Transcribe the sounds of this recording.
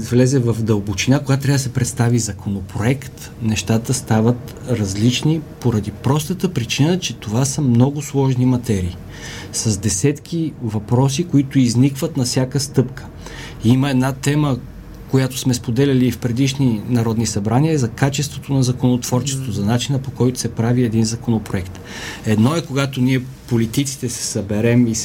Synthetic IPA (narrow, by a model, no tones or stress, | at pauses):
vlɛzɛvɐfd̪ɐlˠbot͡ʃinakoɡat̪ɾavd̪əsɛpɾɛt̪st̪avizɐkʰonopɾoɛkt̪ | nɛʃt̪at̪əst̪avət̪ | ɾɐzlit͡ʃnipoɾɐd̪ipɾɔst̪ət̪əpɾit͡ʃinət͡ʃɛt̪ovasəmnɔɡʊslˠɔʒnimɐt̪ɛɾiː | sɐzd̪ɛsɛt̪k̟ʰʲivɐpɾɔsikoit̪ʊiznikvət̪nɐfsʲjakəst̪ɤpkʰə̥ | iməɛd̪nat̪ɛmə | kojat̪o̥smɛspod̪ɛlʲɐliːfpɾɛd̪iʃninɐɾɔd̪nisɐbɾaniəzɐkat͡ʃɛst̪vot̪onɐzɐkonot̪vɔɾt͡ʃɛ̥st̪vozɐnat͡ʃinəpokɔjt̪ʊ̥sɛpɾaviɛd̪inzɐkonopɾoɛkt̪ | ɛd̪nɔɛkoɡat̪oniɛ | polit̪it̪si̥t̪ɛsɛ̥sɐbɛɾɛmis